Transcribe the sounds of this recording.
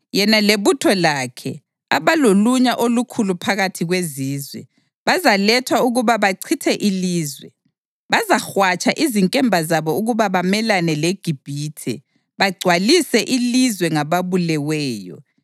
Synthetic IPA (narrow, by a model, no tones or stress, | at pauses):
jɛnaleβutʰɔlakʰɛ̰ | aβaloluɲaʔolukʰulupʰaɣatʰiɣweziːzwɛ̰ | βazalɛtʰwauɣuβaβaǀʰitʰɛʔiliːzwɛ̰ | βazaxwat͡ʃʰʼaʔiziŋkʼɛmbʱazaβɔuɣuβaβamɛlanɛleɡ̥ʱib̥ʱiːtʰɛ̰ | βaɡ͡ǀʱwalisɛʔilizwɛŋaβaβulɛwɛːjɔ̰